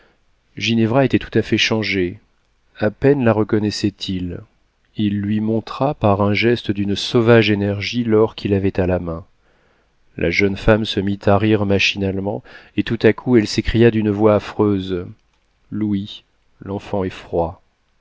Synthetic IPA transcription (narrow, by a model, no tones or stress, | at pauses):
ʒinɛvʁaet̪ɛt̪u̥t̪afɛʃɑ̃ʒe | apɛnlaʁəkɔnɛsɛt̪ʰil | ilːɥimɔ̃t̪χapaʁɛ̃ʒɛst̪d̪ynsɔvaʒenɛʁʒilɔʁkʲʰilavɛt̪alamɛ̃ | lʔa̰ʒœnfamsəmit̪ʰaʁiʁmaʃinalmɑ̃et̪ut̪akʰuɛlsekχijad̪ynvwaːfχøz | lui | lɑ̃fɑ̃ɛfχwa